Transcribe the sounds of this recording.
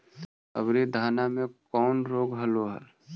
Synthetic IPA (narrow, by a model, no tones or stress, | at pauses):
ə̰bɾid̪ʱaːnamẽkɔːnɾoːɡɦəloɦə̰l